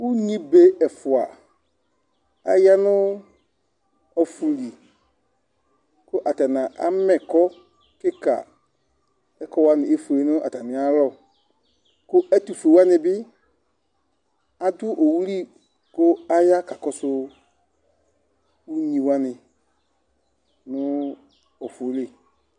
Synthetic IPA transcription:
u˦ɲĩ˦be˦ɛ˨fʊ˨a˨ | a̰˦ja˦nʊ˦ | ɔ˦fu˨li˨ | kʊ˦ʔa˨ta˨na˨ʔa̰˦mɛ˨kɔ˦ | kɪ˦ka̰˨ | ɛ˦kɔ˦wa˦nɪ˨e˦fu˨le˨nʊ˦ʔa̰˨ta˨nɪ˨a˦lɔ˦˨ | kʊ˦ɛ˦tu˨fu˨e˨wa˦nɪ˧bɪ˦ | a˦du˦ʔo˨wu˦li˦ | kʊ˦a˦ja˦ka˨kɔ˦sʊ˦ | u˦ɲĩ˨wa˦nɪ˨ | nʊ˦ | ɔ˨fo˨˦le˦˨

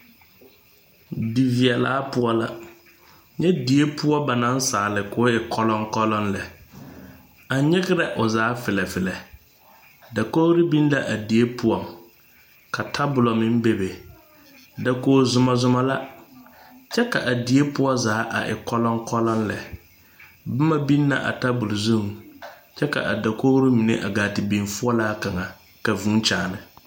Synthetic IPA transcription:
di˨vi˨ɛ˨la̰ː˨˦pʊ˦ɔ˦la˦ | ɲɛ˦di˨e˦pʰʊ˦ɔ˦ba˨nã˦n̩˦saː˨˦˨lɪ˨kʊ˨˦ɪ˨kʰɔ˦lɔ̃˦ŋ˦kɔ˦lɔ̃˦nlɛ˨ | a˨ɲɪ˦ɣɪ˦ɾɛ˨ʔʊ˨zaː˨˦fɪ˨lɛ˨fɪ˨lɛ˨ | da˨ko˦ɾi˦bĩ˦n˦la˨ʔa˨di˨e˦pʰʊ˦ɔ˨ŋ | kʰa˨tʰa˦bʊ˨lɔ˨mɪ̃˦m˦be˨be˨ | da˨koː˦zʊ˦ma˨zʊ˦ma˦la˦ | t͡ʃɛ˦ka̰˨ʔa˨di˨˦e˦pʊ˦ɔ˦zaː˨˦ʔa̰˨ʔɪ̰˨kɔ˦lɔ˦ŋkɔ˦lɔ˦n˦lɛ˨ | bʊ˦ma˦bi˦nːa̰˨ʔa̰˨ta˦bʊ˨lzũ˦˨ŋ | t͡ʃɛ˦ka̰˨ʔa˨da˨ko˦ɾi˦mɪ˨nḛ˦ʔa˨ɡaː˨tɪ˨bi˨nfʊ˦ɔ˦laː˦ka˨ŋa˨ | ka˨vũ˨˦t͡ʃaː˨nɪ˨

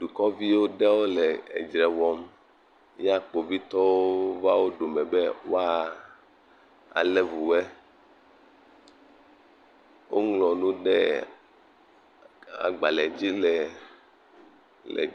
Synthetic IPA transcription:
ɖu˨kɔ˦vi˦wo˦ɖɛ˦wo˦lɛ˨e˨d͡ʒɾɛ˨wɔ˨m | ja˦k͡po˨vi˦t̪ɔ˦wo˦va˦wo˦ɖo˨mɛ̃˨bɛ˦wo˦a˦ | a̰˨lɛ˦vu˨wɛ˦ | wʔo˦ŋlɔ˨nũ˦ɖɛ˦ | a̰˨ɡ͡ba˨lɛ˨d͡ʑi˦lɛ˨ | lɛ̰˨

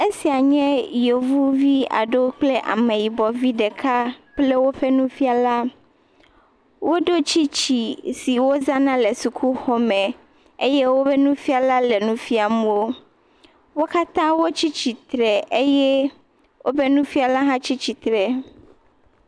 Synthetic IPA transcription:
e˦si˨a˨ɲɛ̃˦jo˨vu˦vi˦a̰˨ɖo˦k͡ple˦ʔa̰˨mẽ˨ji˨bɔ˨vi˦ɖe˨kʰa˦k͡ple˦wo˦ɸe˦nũ˦fi˦a˨la˦ | wo˦ɖo˦t͡ɕi˦t͡ɕi˨si˨wo˦za˦nã˦le˨su˨kʰu˦xɔ˦mɛ̃˨ | ḛ˦je˦wo˦be˦nũ˦fi˦a˨la˦le˨nũ˦fi˦a˨mũ˦wo˦ | wo˦ka˦t̪ã˦wo˦t͡ɕi˦t͡ɕi˨t̪ɾɛ˨e˦jɛ˦ | wʔo˦be˦nũ˦fi˦a˨la˦ɦã˦t͡ɕi˦t͡ɕi˨t̪ɾɛ˨

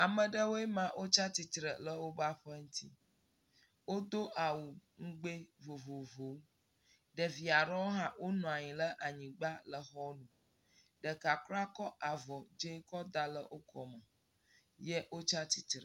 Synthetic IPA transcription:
a˨mə̃˨ɖə˦wo˦e˦mã˦ʔo˦t͡ʃa˦t̪i˨t̪ɾə˨lə˦wo˦ba˦ɸə˦ŋũ˦t̪ʰi˦ | wo˦d̪o˦ʔa˨wu˨ŋ̩˦ɡ͡be˦vo˨vo˨vo˨˦ | ɖə˨vi˨a˨ɾɔ̃˦ɦã˦wʔo˦nɔ̃˨a˨ɲĩ˨lə˦ʔa˨ɲĩ˨ɡ͡ba˦lə˨xɔ˦nũ˨ | ɖə˨ka˨kla˦kɔ˦ʔa˨vɔ˨d͡ʒe˦kɔ˦d̪a˦lə̰˦ʔo˦kʰɔ˨mə˨ | jə˦wo˦t͡ʃa˦t̪i˨t̪ɾə˨

